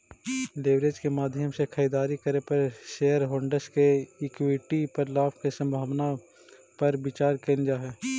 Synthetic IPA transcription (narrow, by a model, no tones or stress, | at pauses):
leʋɾeːd͡ʒkemaːd̪ʱjəmsekʰəiːd̪aːɾikəɾepəɾʃeːəɾɦoːɳɖəɾskeɪkwiʈipəɾlaːpʰkesə̃mbʱaːʋna | pɐɾbɪt͡ʃaːɾkeːnd͡ʒaɦɛː